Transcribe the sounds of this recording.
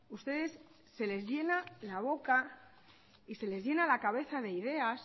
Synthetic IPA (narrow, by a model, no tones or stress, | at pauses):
ust̪e̞ðe̞sː | e̞le̞zʝe̞nalaβ̞o̞ka | ise̞le̞zʝe̞nalakaβ̞e̞θaðe̞iðe̞as